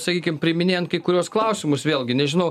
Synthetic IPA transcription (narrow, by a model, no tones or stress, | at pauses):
sɐkʲiːkʲɪmpʲɾʲɪmʲɪnʲeːjɛnt̪̚kɐɪkʊɾʲuɔsklˠɐʊsʲɪmʊsʋʲeːlˠʲɡʲɪnʲɛʒʲɪnɐʊ